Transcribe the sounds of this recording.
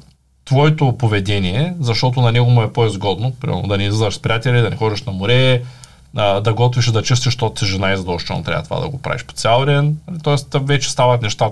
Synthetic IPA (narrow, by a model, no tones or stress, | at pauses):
t̪vɔɛt̪opovɛd̪ɛniɛzɐʃt̪ɔt̪ʊnɐnɛɡomʊɛpoɛzɡɔd̪nopɾḭmɛ̰lno̰d̪ɐnɛizəzvɐʃspɾijat̪ɛlʲid̪ɐnɛxɔd̪iʃnɐmoɾɛ | əd̪ɐɡɔt̪viʃd̪ɐt͡ʃəst̪iʃt̪osɛʒɛnajzɐd̪ɔʃt͡ʃɔ̰nt̪ɾʲa̰vət̪va̰d̪ɐ̰ɡopɾa̰viʃpo̥t̪sʲjalˠɾɛnit̪ɔɛst̪vɛt͡ʃɛ̥st̪avɐt̪nɛʃt̪a